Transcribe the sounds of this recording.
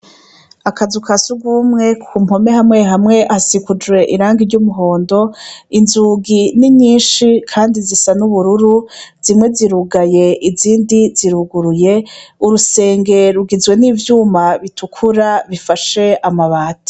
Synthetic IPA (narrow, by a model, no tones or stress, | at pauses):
akazukʰasuɡwuːmŋe̞kʰumho̞me̞hamŋe̞ɦamŋe̞ʔasikud͡ʒwe̞ʔiɾaːŋɡiɾɟumuɦo̞ːndo̞inzuɡiniɲiːnʃikʰaːndizisanuβuɾuɾuz̥imŋe̞ziɾuɡaje̞ʔiziːndiziɾuɡuɾuje̞uɾuse̞ːŋɡe̞ɾuɡizwe̞niːvjuːmaβitʰukʰuɾaβifaʃe̞amaβaːtḁ